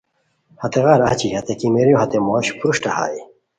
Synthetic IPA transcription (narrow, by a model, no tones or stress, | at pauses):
hɐt̪eɣaːɾɐt͡ɕihɐt̪ekimeɾjõɦɐt̪emoːɕpʰuɾuɕʈɐha̰ːi